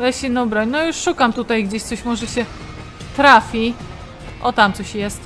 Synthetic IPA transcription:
lɛɕinɔbɾɔɲnɔjuʂʂukamt̪ut̪ajɡd͡ʑeɕsɔɕmɔʐɛɕɛ | t̪ɾafʲi | ʔɔt̪amt̪sɔɕjɛst̪

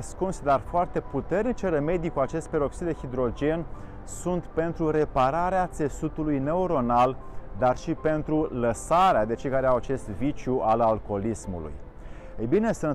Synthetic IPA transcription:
skunsd̪arfoart̪e̞put̪e̞rnit͡ʃereme̞d̪ikuat͡ʃe̞st̪̚peɾo̞ksid̪ehid̪ɾo̞d͡ʒe̞n | sunt̪pe̞nt̪ɾuɾe̞paɾaɾeat̪se̞sut̪ulujne̞uɾo̞nald̪arʃipe̞nt̪ɾuləsaɾead̪e̞t͡ʃejkaɾeawat͡ʃe̞st̪vit͡ʃjuʔalalko̞lismṵlṵj | ejbine̞sun

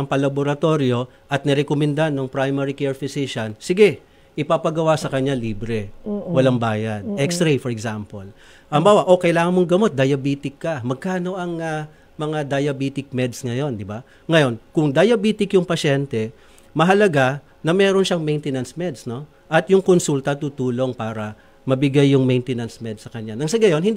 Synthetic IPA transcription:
ɐmpɐlɐboɾɐt̪o̞ɾjo̞ | ʔɐt̪̚nɛɾɛkomɛnd̪anoŋpɾajmɛɾikɛɹfɪsiʃɐnsɪɡɛ | ʔɪpapɐɡɐwasɐkɐɲːaliːbɾɛwɐlaŋbaːjɐnɛkst̪ɾejfɔɾɛɡsampol | ʔɐmbaːwɐʔo̞kɐjɪlaːŋɐnmoŋɡɐmo̞t̪̚d̪ɐjɐbiːt̪ɪkːɐmɐɡ̚kaːno̞ʔɐŋɐ | mɐŋad̪ɐjɐbiːt̪ɪk̚mɛd̪sŋɐjo̞nd̪ɪba | ŋɐjo̞nkʊŋd̪ɐjɐbiːt̪ɪkjʊŋpɐʃɛnt̪ɛ | mɐɦɐlɐɡa | nɐmɛːɾonʃaŋmɛjnt̪ɛnɐnsmɛd̪sno̞ | ʔɐt̪jʊŋkonsult̪ɐt̪uːt̪uːlo̞ŋpaːɾɐ | mɐbɪɡajːʊŋmɛjnt̪ɛnɐnsmɛd̪sɐkɐɲanɐŋsɐɡɐjo̞nhɪnd̪

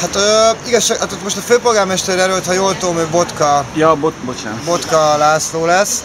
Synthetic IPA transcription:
hat̪øiɡɒʃːaːɡat̪ot̪mo̞ʃt̪ɒføːpo̞lɡaːrmɛʃt̪ɛɾɛɾølt̪hɒjoːlt̪oːlmøbo̞t̪kɒjɒbobot͡ʃa̰nbo̞t̪kɒlaːsloːlɛs

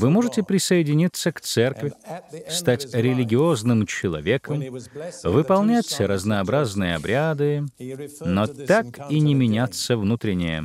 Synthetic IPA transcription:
vɨmoʐɨtʲɪpɾʲɪsəjɪdʲɪnʲit̪sːəkt̪sɛrkvʲɪst̪atʲɾʲɪlʲɪɡʲɪoznɨmt͡ɕɪlˠɐ̰vʲe̞kəmvɨpɐlˠnʲætʲɾəznəːbɾaznɨjəɐ̰bɾʲad̪ɨ | not̪akinʲɪmʲɪnʲat̪sːəvnut̪ɾʲɪnʲːɪ̰jə̰

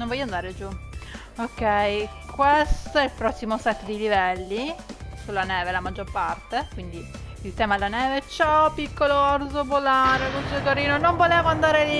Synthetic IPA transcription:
nõɱvɔjand̪aːɾed͡ʒu | okːɛj | kwest̪oɛlpɾɔsːimosɛt̪ːd̪ilivɛlːisulːanɛːvelamad͡ʒːorpart̪ekwind̪i | ilt̪ɛːmaelanɛːvet͡ʃɔpikːoloɔrsopolaɾekonsuokaɾiːnonoɱvoleːvoand̪aːɾeli

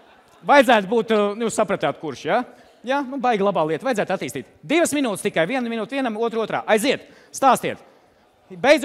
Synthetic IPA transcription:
vajd̪zæːt̪buːt̪njusapɾɐt̪aːt̪kuɾʃjaː | jaːnubajɡʲlˠabaːlˠiɛt̪vajd̪zæːt̪at̪ːiːst̪iːt̪d̪ivəsminuːt̪st̪ikajviɛnminuːt̪viɛnamuɔt̪ɾuɔt̪ɾa̰ːʔajziɛt̪ | st̪aːst̪iɛt̪ | bejz

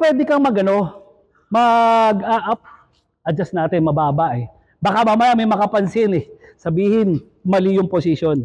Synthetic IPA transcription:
pwɛːd̪ɪkɐŋmɐɡɐno̞ | mɐɡʔaʔap̚ | ʔɐd͡ʒɐsnaːt̪ɪnmɐbaːbɐʔɛ | bɐkamɐmɐjamɛjmɐkapɐnsɪnɛsɐbiːhɪn | mɐlɪjʊŋposɪʃon

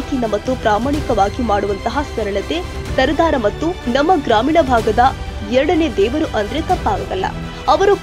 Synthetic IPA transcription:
kinɐmɐt̪ːupɾaːmaːɳikɐʋaːɡimaːɽuʋɐnt̪ɐɦɐsʋɐɾɐɭɐt̪e | t̪ɐɾɐd̪aːɾɐmɐt̪ːunɐmːɐɡɾaːmiːɳɐbʱaːɡɐd̪ɐɛɾɐɽɐned̪ɛːʋɐɾuʔɐnd̪ɾet̪ɐpːaːɡɐɡɐlːɐ̰ | ɐʋɐɾu

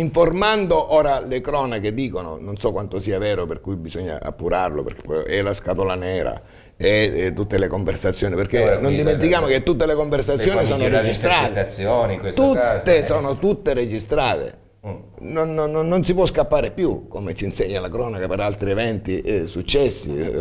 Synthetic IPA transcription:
iɱformand̪oʔɔːɾalekɾɔːnaked̪iːkono̰nonsɔkwant̪osiːavɛːɾoperkujbizoɲːa̰ʔa̰pːuɾarlo̰pḛrke̥pːɔjɛlaskat̪olanɛːɾa̰ | et̪ːut̪ːelekoɱversat̪sːjoːniperkenond̪iment̪ikjaːmoket̪ːut̪ːelekoɱversat̪ːjoːnisoːnored͡ʒist̪ɾaːt̪sːjoːnikwest̪ut̪ːesoːnot̪ut̪ːeɾed͡ʒist̪ɾaːt̪ḛ | nonnːnːonsipwɔskapːaːɾepjukomet͡ʃinseɲːalakɾɔːnakapeɾalt̪ɾievɛnt̪isut͡ʃːɛsːḭ

